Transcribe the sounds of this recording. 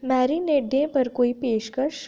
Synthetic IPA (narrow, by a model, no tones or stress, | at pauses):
mɛːɾineːɖjẽpɐɾkoːipeːʃkɐʃ